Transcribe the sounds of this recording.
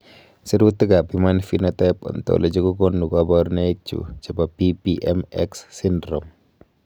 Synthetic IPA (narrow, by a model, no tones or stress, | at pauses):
səɾut̪əɡapimanfinat̪ap̚ṵnt̪ɔ̰ʔləd͡ʒəkukɔnːuɡabarnaik̚t͡ʃṵd͡ʒabapipiʔɛmɛksːindɾɔm